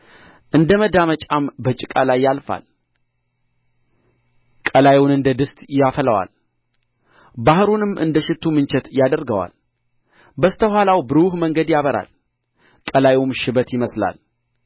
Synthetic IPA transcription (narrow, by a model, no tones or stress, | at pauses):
ʔɨnd̪əməd̪amət͡ʃʼambət͡ʃʼɪkʼalajːalfa̰l | kʼəlajwʊnɨnd̪əd̪ɨst̪jafələwa̰l | bahɨɾunɨmːʔɨ̰nd̪əʃɪt̪ʰːumɨnt͡ʃɛt̪jad̪əɾɡəwa̰l | bəst̪ʰəhʷalawbɨɾuhməŋɡəd̪jaβəɾa̰l | kʼəlajumʃɪbət̪jɪməsla̰l